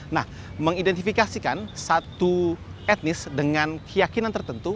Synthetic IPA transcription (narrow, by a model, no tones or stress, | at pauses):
na̰h | məŋidɛnt̪ifikasikansat̪uɛt̪̚nɪsdəŋankʰəjakinant̪ərt̪ənt̪u